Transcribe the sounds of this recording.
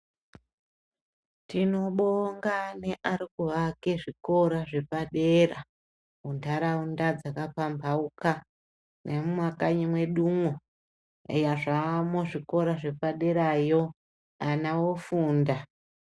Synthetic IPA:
tino̞ɓoŋɡaneʔaɾikuʋake̞ʐiko̞ɾaʐe̞paɗe̞ra | undʱaɾaundad͡zakapambauka | nemumwakaɲimwe̞ɗumwo | ejaʐamoʐiko̞ɾaʐe̞paɗe̞ɾajo̞ | anawofuːnda

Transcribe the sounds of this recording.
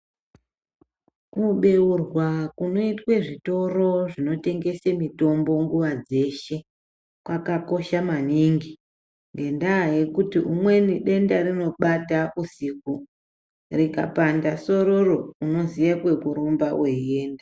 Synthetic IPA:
kuɓe̞urwakuno̞itwe̞ʐito̞ro̞ʐino̞te̞ŋɡe̞semito̞mbo̞ŋɡuʋad͡ze̞ːʃe̞ | kwakako̞ʃamaniŋɡi | ŋɡe̞ndaːje̞kutiʔumwe̞niɗe̞ndaɾino̞ɓataʔusiku | rika̰pandaso̞ɾo̞ro̞uno̞zijakwe̞kuɾombaweieːnda

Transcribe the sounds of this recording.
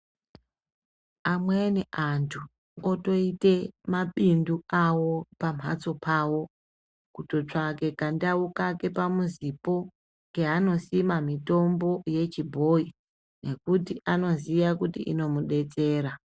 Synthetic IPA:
amweneʔantʰu | oto̞ite̞maɓinduawo̞pam̤ɦa̰t͡so̞pʰaːwo̞ | kuto̞t͡ʂake̞kandaukake̞pamuzipo̞ | ŋɡe̞ano̞simamito̞mbo̞je̞t͡ʃibʱo̞i | ne̞kutiʔano̞zijakutḭʔḭno̞muɗe̞t͡se̞ːɾa

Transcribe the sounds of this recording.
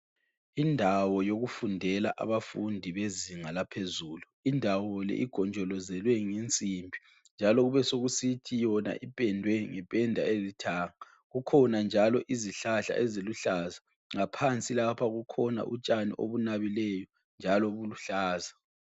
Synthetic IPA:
indʱawɔjoɣufundʱɛlaʔa̰βafundʱiβeziŋalapʰezuːluindʱawɔlɛ̰ʔiɡ̥ʱɔnd͡ʒʱɔlɔzɛlwɛŋent͡sʼimbʱi | nd͡ʒʱalɔɣuβɛsoɣusitʰijɔna̰ʔipʼɛndʱwɛŋɛpʼɛndʱaezitʰaːŋa | ɣukʰɔnand͡ʒʱalɔʔiziɬaɬa̰ʔeziluɬaza | ŋapʰant͡sʼilapʰaɣukʰɔna̰ʔṵt͡ʃʼanḭʔo̰βunaβilɛjɔ | nd͡ʒʱalɔβuluɬaːza

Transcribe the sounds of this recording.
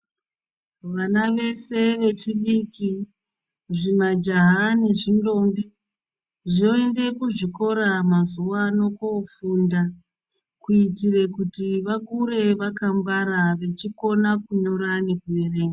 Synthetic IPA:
ʋanaʋe̞se̞ʋe̞t͡ʃiɗiki | ʐimad͡ʒaɦane̞ʐindo̞mbi | ʐinoende̞kuʐiko̞ɾamazuwano̞kofunda | kuitire̞kutiʋakuɾe̞ʋakamɡwaɾaʋe̞t͡ʃiko̞nakuɲo̞ɾanekuereːŋɡa

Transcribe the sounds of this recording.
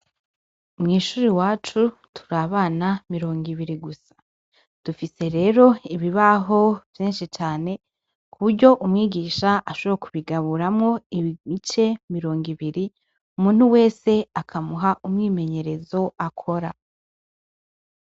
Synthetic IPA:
umŋiːʃuːɾiwaːt͡ʃutʰu̥ɾaβaːnamiɾo̞ːŋɡiβiɾiɡusḁ | d̥ufise̞ɾe̞ːɾo̞iβiβaɦo̞vjiːnʃit͡ʃaːne̞ | kʰuβuɾɟo̞ʔumŋiːɡiːʃaʔaʃoβɾakʰuβiɡaβuɾamŋo̞imit͡ʃe̞miɾo̞ːŋɡiβiɾi | umuːn̥huwe̞ːse̞akʰamuɦaʔumŋiːme̞ɲe̞ɾe̞zo̞akʰo̞ɾa

